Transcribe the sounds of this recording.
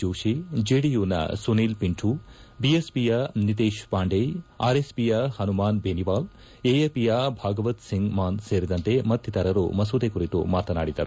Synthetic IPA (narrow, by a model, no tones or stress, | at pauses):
uːʃid͡ʒeːɽijuːnɐ̰suniːlpiɳʈʰubiespijanit̪eːʃpaːɳɖeja̰ːɾespijɐhɐnumaːnbeːniʋaːl | eːeːpijabʱaːɡɐʋɐt̪siŋɡmaːnseːɾid̪ɐnt̪e̞mɐd̪ʱjɐt̪ɐɾɐɾṵmɐsuːd̪ekuɾit̪ṵmaːt̪ɐna̰ːɽid̪ɐɾu